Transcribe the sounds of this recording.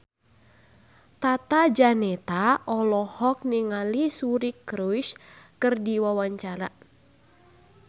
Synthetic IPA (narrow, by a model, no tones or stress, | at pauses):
t̪at̪ad͡ʒanɛt̪aʔɔlɔhɔk̚niŋalisuɾikɾuʃkɨrdiwawaɲt͡ʃaɾa̰